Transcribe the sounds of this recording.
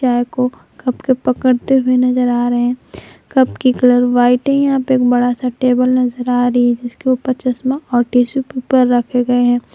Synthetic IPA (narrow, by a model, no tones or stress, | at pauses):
aːjko | kɐpkepɐkəɽt̪eɦʊenɐzəɾaːɾɐɦeɛ̃kɐpkikɐləɾʋaːɪʈɦɛ̃jɐɦãpəɾeːk̚bɐɽasaʈeːbəlnɐzəɾaːɾɐɦiɦɛ̃d͡ʒɪskiopɐt͡ʃəsmãʔɔːɾʈiːsupupəɾːɐkʰeɡɐeɦɛ̃ː